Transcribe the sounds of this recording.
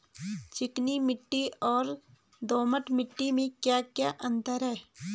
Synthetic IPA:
t͡ʃɪknimɪʈːiɔːɾ | d̪oːməʈmɪʈːimẽkjakjaʔə̃nt̪əɾɦɛː

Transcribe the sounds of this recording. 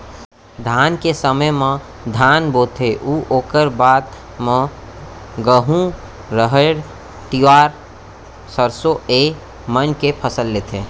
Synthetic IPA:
d̪ʱaːnkesəməjmã | d̪ʱaːnboːt̪ʰeʔuʔoːkəɾbaːt̪ | mə̃ | ɡəɦũ | ɾəɦəɽ | ʈ̪iʋaːɾ | səɾsoe | mənkepʰəsəlːeːt̪ʰẽː

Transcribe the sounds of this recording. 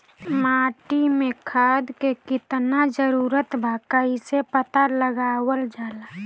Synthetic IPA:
maːʈimẽkʰaːd̪kekɪt̪nad͡ʒəɾuːɾət̪bʱaːkaisepət̪aləɡaːwəld͡ʒaːlaː

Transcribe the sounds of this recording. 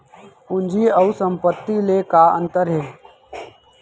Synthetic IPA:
ʊnd͡ʒʱiəusə̃mpət̪ːilekaə̰̃nt̪əɾɦeː

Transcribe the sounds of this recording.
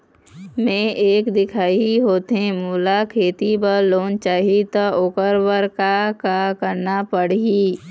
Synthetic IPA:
mẽeːkd̪ɪkʰaːiɦoːt̪ɦẽmuːlakʰeːt̪ibəɾloːnt͡ʃaːɦit̪aʔokəɾbəɾkakakəɾnapəɽiː

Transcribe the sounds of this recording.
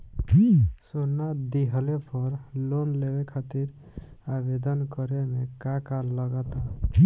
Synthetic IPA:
sonːad̪iɦəlepʰɔɾlonlewekʰat̪iɾ | abed̪ənkɔɾemẽkakaləɡət̪a

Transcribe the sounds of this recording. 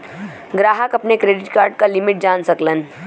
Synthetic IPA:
ɡɾaːɦəkɐpnekɾeːɖɪʈkaːɾɖ̚kalɪmɪʈ̚d͡ʒaːnsɐklən

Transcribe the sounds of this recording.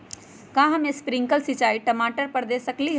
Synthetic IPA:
kãːɦɐmespɾɪ̃ŋkəlsɪt͡ʃaːiʈɐmaːʈəɾpəɾd̪eːsəkliɦ

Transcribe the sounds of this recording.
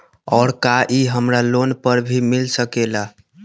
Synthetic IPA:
ɔːɾkaʔiɦəmɾalonpəɾbʱimilsəkela

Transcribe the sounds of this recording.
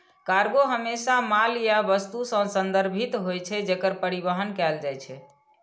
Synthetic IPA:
kaɾɡoɦəmesamaljabəst̪usə̃sənd̪əɾbʱit̪ɦojt͡ʃʰɛd͡ʒekəɾpəɾibəɦənkɛld͡ʒajt͡ʃʰɛ

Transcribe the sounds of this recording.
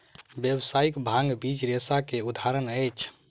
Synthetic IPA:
bjəbsaikbʱãŋɡbit͡ʃɾesakeud̪ʱaɾənəjt͡ʃʰ

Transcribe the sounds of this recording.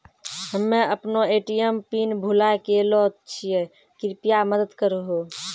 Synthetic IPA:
ɦəmːẽʔəpnoeːʈijəmpinbʱulakelɔːt̪̚t͡ʃʰijɛ | kɪɾpijaməd̪əd̪kəɾəɦo

